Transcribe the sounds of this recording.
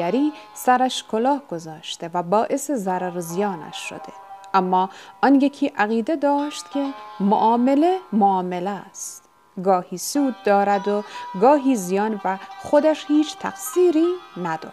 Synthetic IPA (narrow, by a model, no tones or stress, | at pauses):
æɾiːsæɾæʃkʰolɒːhɡ̥ozɒːʃt̪e̞væbɒːʔesezæɾæɾzijɒːnæ̰ʃʃo̰d̪̥eʔæmːɒːɒnjekʰiːʔæɣiːd̪ed̪ɒːʃt̪kʲʰemo̰ʔɒːmelemoɒːmelest̪t̪ | ɡɒːhiːsuːd̪̚ːɒːɾæd̪oɡɒːɦiːzijɒːnvæxod̪æʃhiːt͡ʃʰt̪ʰæ̰qsiːɾiːnæd̪ɒ̰ː